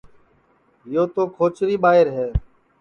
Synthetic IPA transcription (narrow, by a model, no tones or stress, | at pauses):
ɦɪjoːt̪oːkʰoːt͡ʃɾiːɓaːɪɾɦeː